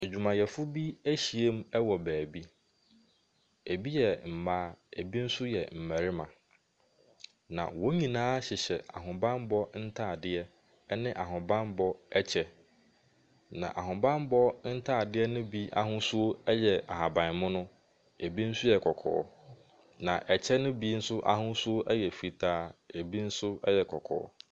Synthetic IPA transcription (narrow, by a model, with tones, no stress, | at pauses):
e˨d͡ʑᶣu˨mã˨jɛ˨fʊ˦bi˦æ˦ɕi˨e˦m˦ɛ˦wɔ˨bæː˨bi˦ | e˨bi˦jɛ˨m̩˨maː˦˨e˨bi˦n̩˦sʊ˦jɛ˨m̩˨mæ̃˨ɾɪ˦mã̰˨ | nã̰˨wo˦ɲĩ˨nãː˦ɕɪ˨ɕɛ˨a̰˨ɦʊ̃˨bã˦mbɔ˦n̩˦tʰaː˦˨dɪ˦ɛ˦ | nɪ̃˦ʔa˨ɦʊ̃˨bã˦mbɔ˦ɛ˦t͡ɕʰɛ˦ | nã̰˨ʔa˨ɦʊ̃˨bã˦mbɔ˦n̩˦tʰaː˦˨dɪ˦ɛ˦nʊ̃˦bi˦a˦ɦʊ̃˦su˦o˦ɛ˦jɛ˨a˨ɦa˨bã˨n˨mʊ̃˦nʊ̃˦ | e˨bi˦n̩˦sʊ˦jɛ˨kʰɔ˨kʰɔ̰ː˨˦ | nã̰˨ʔɛ˨t͡ɕʰɛ˦nʊ̃˦bi˦n̩˦sʊ˦ʔa̰˨hʊ̃˦su˦o˦ʔɛ˦jɛ˨fi˨tʰaː˦e˨bi˦n̩˦sʊ˦ɛ˦jɛ˨kʰɔ˨kʰɔ̰ː˨ɔ̰˦